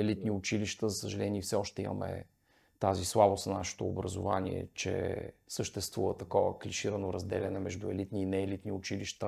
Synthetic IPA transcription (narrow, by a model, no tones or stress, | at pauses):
ɛlit̪niʊt͡ʃiliʃt̪əzəsəʒɐlɛnʲiɛfsɛɔʃt̪ɛimɐ̰mɛ̰ | t̪azislˠabosnnaʃɛ̥t̪oːbɾɐzo̰va̰niɛ̰t͡ʃɛ̰səʃt̪ɛst̪vuvət̪ɐkɔvə̰kliʃiɾənoɾɐzd̪ɛlʲɛnɛmɛʒd̪uɛlit̪niːnɛːlit̪niʊt͡ʃiliʃt̪ə